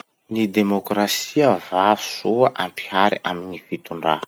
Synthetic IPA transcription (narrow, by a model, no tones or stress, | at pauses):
nid̪emokrasiəvavu̥suəʔampiaɾiʔaminifit̪uɳɖ͡ʐa̰